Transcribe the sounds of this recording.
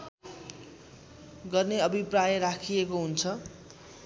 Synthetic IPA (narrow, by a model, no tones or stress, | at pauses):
ɡʌrneʌbʱiprajʌɾakʰijekoɦunt͡sʰʌ